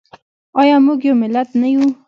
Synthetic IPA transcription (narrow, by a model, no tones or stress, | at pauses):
ɑjɑmuɡjowmɪlːat̪naju